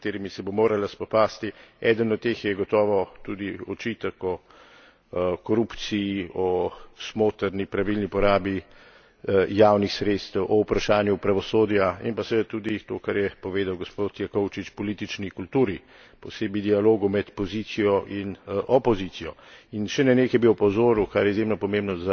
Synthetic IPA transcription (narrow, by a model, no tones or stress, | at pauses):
t̪eːɾimisɛbomoːɾalaspɔpaːst̪iɛːd̪ənɔt̪ːexjɛɡɔt̪ɔːʋɔt̪ud̪iɔt͡ʃiːt̪akɔ | kɔɾupt̪sijːɔsmoːt̪əɾnipɾaʋilnipɔɾaːbi | jaːwnixsɾet̪st̪ɛwʔɔwpɾaʃaːnjupɾaʋɔsoːd̪jaḭmpasɛet̪ud̪it̪oːkaɾjɛpɔʋeːd̪awɡɔspot̪jakɔwt͡ʃit͡ʃpɔliːt̪it͡ʃnikult̪uːɾi | pɔseːbid̪ialoːɡumɛt̪pɔzit̪sijɔʔinʔɔpɔzit̪sijɔinʃɛnɛneːkjɛbiwpɔzoːɾukaɾjɛizjemnɔpɔmẽmbnɔza